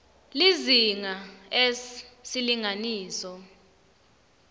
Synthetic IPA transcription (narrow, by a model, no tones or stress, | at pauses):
liziŋaesiliŋaniːsɔ